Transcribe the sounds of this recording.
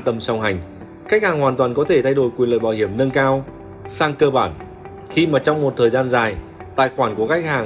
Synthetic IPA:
t̪ə˧mswŋ͡mɦa˨˩jŋ̟ | xa˦˥k̚haː˨˩ŋhwaː˨˩t̪waː˨˩nkɔ˨˦t̪ʰe˧˩t̪ʰa˧jɗo˧˩jkwi˨˩ənlə̰ː˨jɓaː˧˩whi˧˩əmnə˧nkaː˧w | saː˧ŋkəː˧ɓaː˧˩n | xi˧maː˨˩t͡ɕɔ˧wŋ͡mmo˨˩t̚t̪ʰəː˨˩zaː˧nzaː˨˩j | t̪a̰ː˧˨jxwaː˧˩nku˧˩əka˦˥jk̟̚haː˨˩

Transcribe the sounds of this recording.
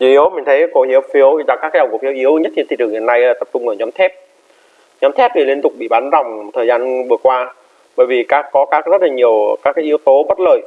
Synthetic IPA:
zu˧˩hi˨˦əwmï˨˩t̪ʰə˨˦ko˧˩hi˨˦əwfi˨˦əwza˧˩kaː˦˥kaː˨˦jzwkːfi˨˦wʔi˨˦əwɲə˦˥t̚hʰi˨˩t̪ʰi˧˩t͡ɕɨ˨˩ŋhi˨˩nːa˧jʔaː˨˩t̪ə˨˩p̚t͡ɕʊ˧ŋ͡mʔəː˧˩ɲɔ˨˦mt̪ʰɛ˦˥p̚ | ɲɔ˨˦mt̪ʰɛ˦˥p̚ɗi˨˩li˧ənt̪ʊ˨˩k͡p̚ɓḭ˧˨ɓaː˨˦nza˨˩wŋ͡mt̪ʰəː˨˩jzaː˧nvɨ˨˩əkwaː˧ | ɓəː˧˩˨jvi˨˩kaː˦˥kːɔ˨˦kaː˦˥k̚zə˦˥t̚la˨˩ɲi˨˩əwkaː˦˥k̚ːaː˨˦ʔəwt̪o˨˦ɓə˦˥t̚ləː˨˩j

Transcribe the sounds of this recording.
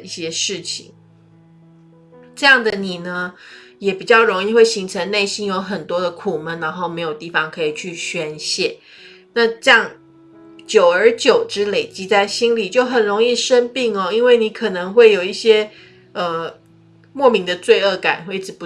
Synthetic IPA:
i˥˩ɕjɛ˥ʂɻ̩˥˩t͡ɕʰḭ˨˩˦ŋ | ʈ͡ʂɤ˥˧jɑ˥˩ŋd̪ə˨˩ni˨˩nə˦jɛ˨˩pi˨˩t͡ɕjɑ˥˩ʊɻo˧˥ŋi˥˧xwe˥˩ɪɕi˧˥ŋʈ͡ʂʰə˧˦ŋne˥˩ɪɕi˥njo˧˥ʊxə˨˩nt̪wɔ˥d̪ə˨kʰu˨˩mə˦nna˧˥nxo˥˩ʊme˧˥ɪjo˨˩ʊt̪i˥˩fɑ˧˩ŋkʰɤ˧˥i˨˩t͡ɕʰy˥˩ɕɥɛ˥nɕjɛ˥˩ | na˥˧ʈ͡ʂjɑ˥˩ŋ | t͡ɕjo˨˩ʊə˞˧˥t͡ɕjo˨˩ʊʈ͡ʂɻ̩˥le˨˩ɪt͡ɕi˥t͡sa˥˩ɪɕi˥nli˨˩t͡ɕjo˥˩ʊxə˨˩nɻo˧˥ŋi˥˧ʂə˥npi˥˩ŋɔ˨i˥nwe˥˩ɪni˧˥kʰɤ˨˩nɤ˧˥ŋxwe˥˩ɪjo˨˩ʊi˥˩ɕjɛ˥ | ə˧˩ | mwɔ˥˩mi˧˥ŋd̪ə˧t͡swe˥˧ɪə˥˩ka̰˨˩˦nxwe˥˩ɪʈ͡ʂɻ̩˨˩pu˧˦

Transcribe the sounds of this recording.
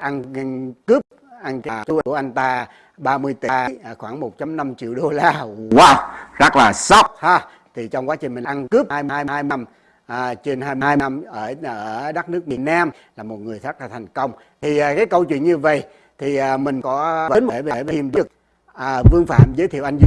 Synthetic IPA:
ʔa˧n˧nkɨ˦˥p̚ | ʔa˧nka˨˩t͡ɕu˧ʔʔa˧jŋ̟t̪aː˧ | ɓaː˧mɨ˧əjt̪iː˧˩˨xwaː˧˩ŋmo˨˩t̚t͡ɕa˧mna˧mt͡ɕḭ˧˨əwɗo˧laː˧waː˧˩wza˦˥k̚laː˨˩sa˦˥wk͡p̚ha˧˩ | t̪ʰi˨˩t͡ɕɔ˧wŋ͡mkwaː˨˦˥t͡ɕï˨˩ŋ̟mï˨˩˨ʔnkɨ˦˥p̚haː˧jma˧aː˧jaː˧jna˧mː˨˩ | t͡ɕe˧nɦaː˧jm˧aː˧ja˧mʔəː˧˩ʔəː˧˩ɗa˦˥k̚nɨ˦˥ək̚mi˨˩ən̚naː˧m | laː˨˩mo˨˩t̚ŋɨ˨˩əjza˦˥k̚laː˨˩˨jŋ̟kə˧wŋ͡m | t̪ʰi˨˩˨kaː˨˦jkə˧wt͡ɕwḭ˧˨ənɲɨ˧və̰˧˨j | t̪ʰi˨˩ʔːmï˨˩ŋ̟kɔ˨˦və˨˦nmo˨˧˩və˨˧˨və˨i˧˩mɗɨ˧˦˨k̚ | ʔə˨˩vɨ˧əŋfa̰ː˧˨mzəː˨˦t̪ʰi˧˨ʔa˧jŋ̟z

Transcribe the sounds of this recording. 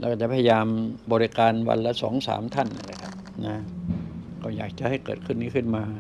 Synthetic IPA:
lɛ̰ː˧˦˥kɔː˧˥˩t͡ɕa˨˩pʰːja˧jaː˧mbɔː˧ɾi˦˧kaː˧nwa̰˧nla˦˧˥sɔ̰ː˩˦ŋsa̰ː˩˦mt̪ʰa˥˩nʔa̰˧˩la˧˥˩kʰa˦˥p̚na˦˥ | kɔː˥˩jaː˨˩k̚t͡ɕa˨ʔha˥˩jkɤ̰ː˨˩t̪kʰɯ˥˩nːiː˦˥kʰɯ˥˩nmaː˧

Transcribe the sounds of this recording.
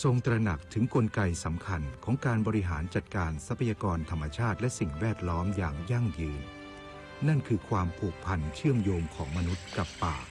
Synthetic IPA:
so˧ŋt̪ɾa˧na˨˩k̚t̪ʰɯ˩˦ŋko˧nka˧jsa˩˦mkʰa˧nkʰɔː˩˦ŋkaː˧nbɔː˧ɾi˦˥ɦa̰ː˩˦nt͡ɕa˨˩t̪̚kaː˧nsa˧˦˥pʰa˧jaː˧kɔː˧nt̪ʰa˧mːa˧t͡ɕʰaː˥˩t̪̚lɛ˦˥ʔsi˨˩ŋwɛː˥˩t̪̚lɔː˦˥mjaː˨˩ŋja˥˩ŋjɯː˧n | na˥˩nkʰɯː˧kʰwaː˧mpʰu˨˩ək̚pʰa˧nt͡ɕʰɯ˥˩əmjoː˧mkʰɔː˩˦ŋma˧nu˦˥t̪̚ka˨˩pːa̰ː˨˩k̚

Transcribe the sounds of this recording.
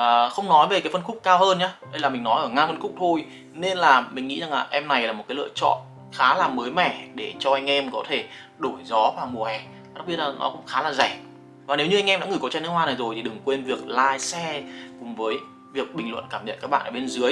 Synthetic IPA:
ʔəː˨˩xə˧wŋ͡mnɔ˨˦jve˨˩kaː˨˦jfə˧nxʊ˦˥k͡p̚kaː˧whəː˧nɲaː˨˦ɗə˧jlaː˨˩mï˨˩ŋnɔ˨˦jʔəː˧˩ŋaː˧fə˧nxʊ˦˥k͡p̚t̪ʰo˧j | ne˧nlaː˨˩mï˨˩ŋ̟ŋḭ˧˥za˨˩ŋlaː˨˩ʔɛ˧mna˨˩jlaː˨˩o˨t̚kaː˨˦lɨ̰˧ət͡ɕɔ̰˧˨n | xaː˨˦laː˨˩məː˨˦jmɛ˧˩ɗe˧˩t͡ɕɔ˧ʔa˧jŋ̟ʔɛ˧mkɔ˨˦t̪ʰe˧˩ | ɗo˧˩jzɔ˨˦vaː˨˩mu˨˩əhɛ˨˩˨ | a˨˥˩k͡p̚ɓi˧ət̚laː˨˩nʔɔ̰˨˦kʊ̰˧˥ŋ͡mxaː˨˦laː˨˩zɛ˧˩ | vaː˨˩ne˨˦wɲɨ˧a˧ŋʔɛ˧mɗa̰ː˧˥ŋɨ˧˩kt͡ɕa˧nɨ˦˥hwaː˧na˨˩jzo˨˩jt̪ʰi˨˩ɗɨ˨˩ŋkwe˧nvi˨˩ək̚laː˧jsɛ˧kʊ˨˩ŋ͡mvəː˨˦j | vi˨˩ək̚ɓï˨˩ŋ̟lwə̰˧˨nkaː˧˩mɲə̰˧˨nkaː˦˥ɓa̰ː˧˨ʔəː˧˩ɓe˧nzɨ˨˦əj

